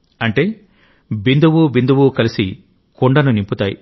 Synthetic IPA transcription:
ɐɳʈe̞ː | bind̪uwubind̪uwukɐlisi | koɳɖɐnunimput̪aːjḭ

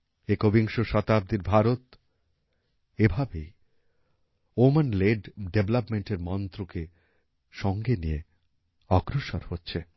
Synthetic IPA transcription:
ekobiŋʃoʃɔt̪ab̚d̪iɾbʱaɾot̪ | ebʱabej | omenleɖɖeblapmeɳʈeɾmɔnt̪ɾoke | ʃɔŋɡenije | ɔɡɾoʃoɾhotːɕʰe

